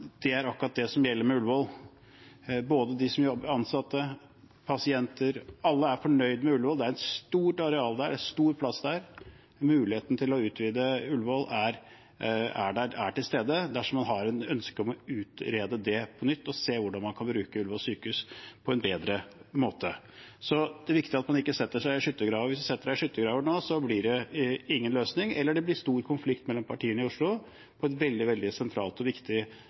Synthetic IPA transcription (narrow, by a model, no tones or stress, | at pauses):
d̪̥ɛæɾɑkːɾɑt̪̚d̪ɛsɔmjɛlːəɾmɛʉlʋɔl | boːd̪əd̪ɪsɔmjɔbːəɾɑnsɑt̪ːə | pʰɑsɪɛnt̪əɾɑlːəæɾfɔɳœʏd̪mɛʉlʋɔld̪ɛæɾɛnst̪uːʈɑɾɛɑːld̪æɖɛæst̪uːɾpʰlɑsːd̪æɾ | mʉːlɪheːt̪nət̪ʰɪlɔʉːt̪ʰʋiːd̪əʉlʋɔlæɾ | æ̰ɖææ̰ʈɪlst̪eːd̪əd̪æʂɔmɑnɦɑɾɛnœnskəɔmɔʉːt̪ɾeːd̪əd̪ɛpʰɔnʏt̪ːɔseːʋʊɖɑnmɑnkʰɑnbɾʉːkəʉlʋɔlsyːkʉspʰɔɛnbeːd̪ɾəmoːt̪ə | sɔd̪̥ɛʋɪkt̪ɪɑt̪mɑnɪkːəsɛt̪ːəʂæɪɪʂʏt̪ːəɡɾɑːʋʋɪsd̪æsɛt̪ːəɖæɪʂʏt̪ːəɡɾɑːʋəɳoːsɔblɪɖɛɪŋːənløːsnɪŋɛ̰lːəɖɛblɪʂt̪uːɾkʰʊnflɪkt̪mɛlːɔmpʰɑʈʰiːənəɪʊʂɭʊ | pʰɔɛnʋɛld̪ɪʋɛld̪ɪsɛnt̪ʰɾɑːlt̪ɔʋɪkt̪ɪ